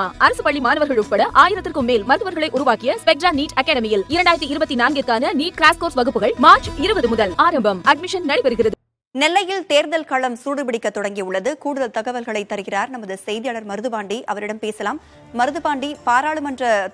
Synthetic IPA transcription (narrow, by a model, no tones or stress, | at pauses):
aːʔɐɾɐsɯpɐɭːimaːnɐʋɐɾɣɐɭʊʈ̚pɐɽɐʔaːjɪɾɐt̪ːɪrkɯmːeːlmɐɾɯðɯʋɐɾɣɐɭɐɪʔʊɾʊʋaːkɪjɐspɛk̚ʈɾaːniːʈɐkːaːɽɐmɪjɪlɪɾɐɳɖaːɪɾɐt̪ːɯɪɾɯbɐt̪ːinaːnɡɪrkaːnɐniːʈ̚kɾaːskoːɾsʋɐɣɯpːɯɣɐɭmaːɾt͡ʃɪɾɯbɐðɯmʊðɐlaːɾɐmbɐmɐɖmɪʂɐnnɐɽɐɪpɐɾɯɣɪrɐðɯ | nɛlːɐjɪlt̪eːɾðɐlkaːɭɐmsuːɽɯpɪɽɪkːɐt̪ːɔɽɐŋɡiʊɭːɐðɯkuːɽɯðɐlt̪ɐɣɐʋɐlɣɐɭɐɪt̪ːɐɾɯɣɪraːɾnɐmːɐðɯsɛjðɪjaːɭɐɾmɐɾɯðɯpaːɳɖiʔɐʋɐɾɪɽɐmpeːsɐlaːmː | ɐɾɯðɯpaːɳɖipaːɾaːɭɯmɐndrɐ